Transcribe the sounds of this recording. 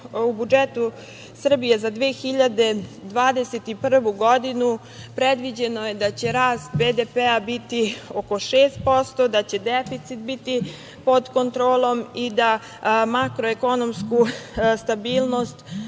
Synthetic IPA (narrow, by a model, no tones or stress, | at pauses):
ubud͡ʒet̪u | sr̩bijezad̪ʋeːxiʎad̪e̞d̪ʋaːd̪eset̪ipr̩ʋuɡo̞d̪inu | pɾed̪ʋid͡ʑe̞noje̞d̪at͡ɕe̞ɾaːst̪beːd̪epeabit̪ioko̞ʃeːst̪̚po̞st̪o̞d̪at͡ɕe̞d̪efit̪sit̪̚bit̪i | po̞d̪ko̞nt̪ɾoːlˠo̞mid̪a | makɾoeko̞no̞mskust̪abiːlˠno̞st̪